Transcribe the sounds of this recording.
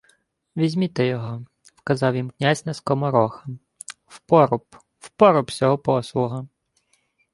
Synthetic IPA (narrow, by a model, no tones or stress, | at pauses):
ʋʲizʲmʲit̪ɛjɔɦɔ | wkɐzɑwjimknʲazʲnɐskɔmɐɾɔxɐ | wpɔɾʊp | w̥pɔɾɔpsʲɔɦɔpɔslˠʊɦɐ